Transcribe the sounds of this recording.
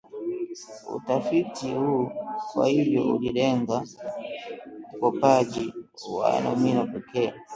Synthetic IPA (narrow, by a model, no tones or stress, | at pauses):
ṵtafitihukwa̰hivjɔ̰ṵliɗɛŋɡa | ukɔpad͡ʒiwa̰nɔ̰minɔpɛkʰɛː